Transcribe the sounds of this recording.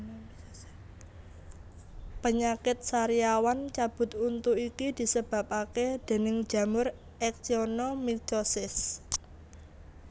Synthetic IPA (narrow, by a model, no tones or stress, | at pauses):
pəɲakɪt̪̚saɾiawant͡ʃab̥ʊ̤t̪unt̪uikid̪̥i̤səb̥a̤p̚aked̪̥e̤nɪŋ̥d͡ʒ̥ä̤mʊr | ɛk̚sionɔmit͡ʃosɪs